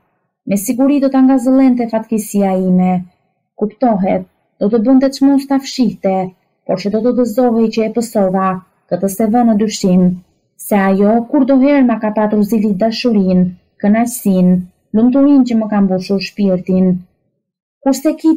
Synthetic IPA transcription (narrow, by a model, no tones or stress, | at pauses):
mɛsiɡuɾid̪ɔt̪aŋɡazəlˠɛnt̪ɛfat̪kisiaimɛ | kupt̪ɔɦɛt̪̚ | d̪̥ɔt̪əbənt̪ɛt͡ʃmɔst̪afʃiht̪ɛ | pɔɾsɛd̪ɔt̪ɔd̪əzɔɦɛjt͡ɕəɛpəsɔða | kət̪əsɛvənəd̪yʃim | sɛajɔkuɾd̪ɔɦɛɾmakapat̪uɾzilid̪aʃuɾin | kənajsin | lumt̪uɾincəməkambuʃuɾʃpiɾt̪in | kuɾsɛki